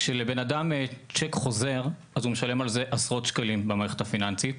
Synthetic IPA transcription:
ʃelebe̞nadamt͡ʃekχo̞ze̞ʁ | azumeʃale̞malze̞ʔasʁo̞tʃkalimbemaʁeχe̥tafinant͡sit̪

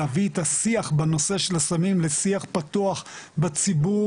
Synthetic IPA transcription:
aviet̪asiaχbano̞se̞ʃelasamimlesiaχpat̪uaχbat͡sibu

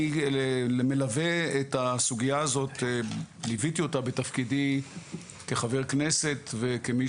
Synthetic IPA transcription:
eleme̞lave̞etasuɡijaːzo̞t̪elivit̪io̞tabet̪afkidi | ke̞χave̞ʁkne̞se̞t̪vekemi

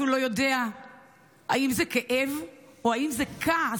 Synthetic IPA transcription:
ulo̞jo̞dea | a̰imzekeʔevoaimzekʰa

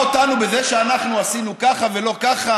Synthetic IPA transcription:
ot̪anube̞zeʃeanaχnuasinukaχave̞lo̞kaχa

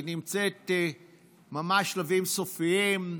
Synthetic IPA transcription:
nimt͡set̪ | mamaʃlavimsofiim

